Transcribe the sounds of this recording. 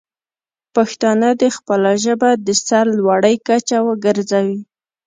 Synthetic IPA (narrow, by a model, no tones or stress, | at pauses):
paxt̪ɑnəd̪əxpəlaʒəbad̪əsaɾlwaɽəjkat͡ʃawəɡəɾzawi